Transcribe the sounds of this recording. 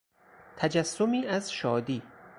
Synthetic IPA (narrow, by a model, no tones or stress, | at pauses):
t̪ʰæd͡ʒæsːomiːæzʃɒːd̪iː